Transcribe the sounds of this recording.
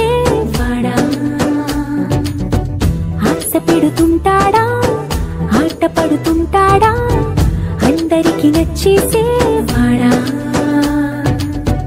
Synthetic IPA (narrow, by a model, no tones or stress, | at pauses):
ebʱaːɽa | ɐsɐpeɽut̪uɳʈaːɽa | aːʈɐpɐɽut̪uɳʈaːɽa | ɐnd̪ɐɾikiʋɐt͡ʃːisepaːɽa